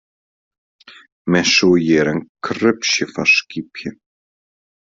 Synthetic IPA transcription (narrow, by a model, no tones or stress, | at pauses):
mɛsujɛɾɛnkʰɾʏpsɪfasciːpʰjʏ